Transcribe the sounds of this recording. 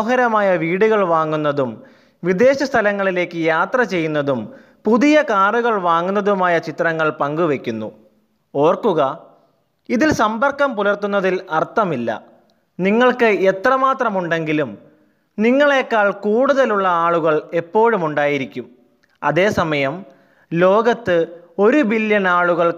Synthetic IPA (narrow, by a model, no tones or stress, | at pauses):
ɦɐɾɐmaːjɐʋiːɽuɣɐɭʋaːŋːunːɐðum | ʋid̪e̞ːɕɐst̪ʰɐlɐŋːɐɭile̞ːkːɨjaːt̪rɐt͡ɕe̞jːunːɐðum | puðijɐkaːruɣɐɭʋaːŋːunːɐðumaːjɐt͡ɕit̪rɐŋːɐɭpɐŋɡuʋe̞kʲːunːu | o̞ːrkːuɣɐ | iðilsɐmbɐrkːɐmpulɐrt̪unːɐðilɐrt̪ːɐmilːɐ̰ | niŋːɐɭkɨet̪rɐmaːt̪rɐmuɳɖe̞ŋɡilum | niŋːɐɭeːkːaːɭkuːɽuðɐluɭːɐaːɭuɣɐɭe̞pːo̞ːɻumuɳɖaːjiɾikʲːum | ɐ̰ðe̞ːsɐmɐjɐm | lo̞ːɡɐt̪ːɨo̞ɾubiljɐnaːɭuɣɐɭ